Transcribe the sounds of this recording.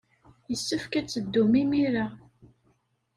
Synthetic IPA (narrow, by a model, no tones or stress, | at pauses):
jəsːəfkæt͡sːəd̪ːumimiɾa